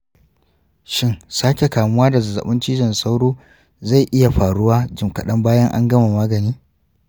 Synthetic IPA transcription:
ʃɪ˦nsaː˦kʲe˨kaː˨mʊ˦waː˦da˨zɐ˨zɐ̰˨ɓʊ˦nt͡ʃiː˦d͡ʒɐ˨nsa˦wɽoː˦ | za˦˨jʔɪ˦ja˨ɸaː˨ɽʊ˦waː˦d͡ʒɪ˨mkɐ˨ɗɐ˦mbaː˦jɐ˦ŋʔa̰˦ŋɡɐ˦ma˨maː˦ɡɐ˨niː˦

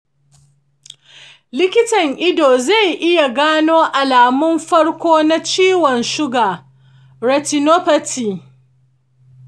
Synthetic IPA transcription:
lɪ˦kʲɪ˦tɐ˨ŋʔɪ˦doː˨za˦˨jʔɪ˦ja˨ɡaː˦noː˦ʔa˨laː˨mʊ˦mɸɐ˦ɽkʷoː˦na˦t͡ʃiː˦wɔ˨nʃʊ˦ɡaː˨ | ɾɐ˨ti˨no˦pɐ˦tiː˨

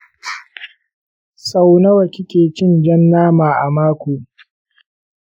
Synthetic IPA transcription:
sa˦wnɐ˦wɐ˨kʲɪ˦kʲeː˨t͡ʃɪ˦nd͡ʒɛ˦nːaː˦maː˨ʔa˨maː˦kʷoː˨

